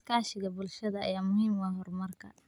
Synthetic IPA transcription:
kʰaːʃɪɣɐbʊlʃɐðɐɐ̰jaːmʊhiːmwaɦɔrmɐrkʰɐ̰

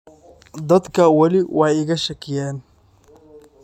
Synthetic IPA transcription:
d̪ɐd̪kʰɐwɐlɪwʔɑħjɪɣɐʃɐkʰɪjaːn

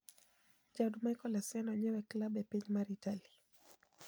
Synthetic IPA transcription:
d͡ʒadmajkɔlasɛnwɛɲɛwɛklabjapɛɲmaɾitali

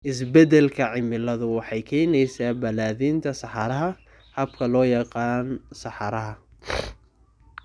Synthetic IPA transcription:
ʔɪs̬bɛdɛlkʰɐʕɪmɪlɐðʊwɑħɑjkʰɛːjnɛjsaːbɐlaːðiːnt̪ʰɐsɑħɑɾɐɦɐ | hɐb̚kʰɐlɔːjɑqɑːnsɑħɑɾɐɦɐ

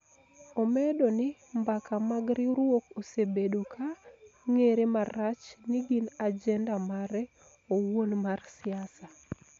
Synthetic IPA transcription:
omɛdonɪmbakamaɡɾɪɾwokosebedokʰaŋeɾemarat͡ʃnɪɡinad͡ʒɛndamaɾɛ | owonmarsɪasa

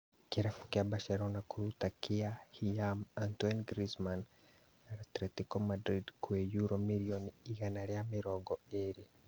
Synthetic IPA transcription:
kiɾafu̥kjabaʃeɾonakuɾutakiahijamantwenɡɾisman | aɾatɾetikomadɾidkwejuɾomiɾioniiɣanaɾjamiɾoɡɔeɾi

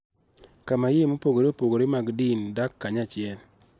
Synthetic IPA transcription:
kamajemopoɡoɾeopoɡoɾemaɡdindakːaɲat͡ʃɪɛl

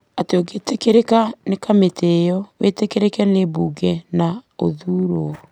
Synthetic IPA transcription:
ateoɡetekeɾekanekametʰejɔwetekeɾekɛnebuɡɛnao̰ðuːɾo

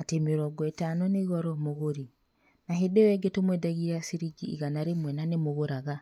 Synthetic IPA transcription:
atemeɾɔɡɔetanɔneɣɔɾɔmoɣoɾi | naɦedewɛɡetomwɛdaɣiɾasiɾiɡḭːɣanaɾemwɛnanemoɣoɾaɣa

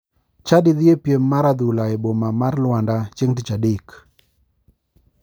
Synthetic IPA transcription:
t͡ʃadɪðɪepjemːaɾad̪ulaebomamarlwandat͡ʃeŋtit͡ʃadɪk

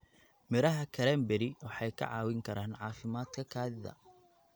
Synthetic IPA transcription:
mɪɾɐɦɐkʰɐɾɛːmbɛɾɪwɑħɑjkʰɐ̰ʕɑːwɪŋkʰɐɾaːnʕɑːfɪmaːd̪kʰɐkʰaːðɪðɐ̰

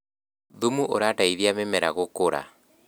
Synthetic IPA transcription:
ðumuʔo̰ɾataiðiamemɛɾaɣokoɾa̰

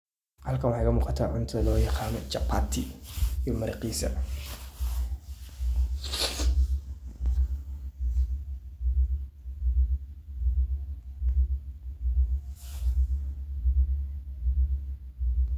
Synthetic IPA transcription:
hɐlkʰɐnwɑħɑjkʰɐmuːqɑt̪ʰaʕʊnt̪ʰɐlɔːjɑqɑːnɔt͡ʃɐpʰːat̪ʰɪijɔmɐɾɪqiːsɐ̰

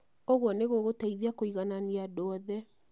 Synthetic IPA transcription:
oɣwɔneɣoɣotaiðiakoiɣananiadɔðɛ

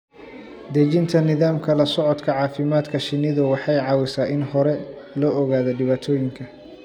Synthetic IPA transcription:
d̪ɐt͡ʃɪnt̪ʰɐnɪðaːmkʰɐlɐsɔʕɔd̪kʰɐʕɑːfɪmaːd̪kʰɐʃɪnɪðʊwɑħɑjʕɑːwɪsaːʔɪnhɔɾɛ | lɔːʔɔɣaːðɔɖɪβaːt̪ʰɔːjɪŋkʰɐ

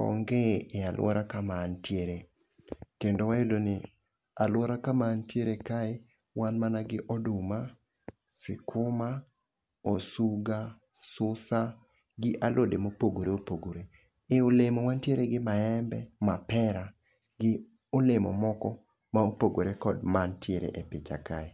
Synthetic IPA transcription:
ɔ̰ŋɡeealw̰ɔ̰ɾakamantjeɾe | kendowajodonɪ | alwɔɾakamantjeɾekae | wanmanaɡɪʔɔdʊma | sɪkʰʊma | osuɡa | sʊsa | ɡɪʔalʔodemopoɡoɾeopoɡoɾe | eolemowantjeɾeɡɪmaɛmbɛmapɛɾa | ɡɪ | olemɔ̰mɔkɔ | maopoɡoɾekɔdmantjeɾḛʔepɪt͡ʃa̰kae

